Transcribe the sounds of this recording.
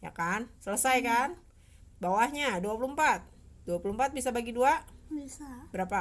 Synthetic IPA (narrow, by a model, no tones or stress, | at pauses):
ja̰kansələsajkan | bawahɲaduapulumpat̪̚ | d̥uapulumpat̪̚bisabaɡiduabisabəɾapa